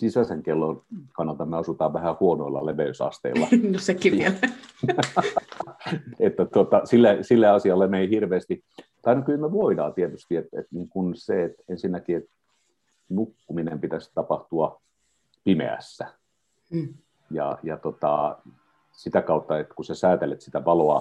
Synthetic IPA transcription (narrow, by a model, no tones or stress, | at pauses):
sisæseŋkelːonkɑnːɑlt̪ɑmmeɑsut̪ɑːʋʋæhæhuonoilːɑ̰leʋeysɑ̰st̪ḛillːɑ̰sekiʋʋiele | et̪ːæt̪ot̪ɑsilːesilːeɑsiɑlːemeihirʋeːst̪i | t̪ɑinokylmeʋoidɑ̰ːt̪iet̪yst̪iet̪ḛt̪niːŋkunseet̪ensinːækiet̪ | nukːuminempit̪æst̪ɑpɑht̪uɑ | pimḛæ̰sːæ | jɑ̰jɑt̪ot̪ɑ̰ | sit̪ækɑˑut̪ːɑet̪kusæsæːt̪elet̪si̥t̪æʋɑloɑ̰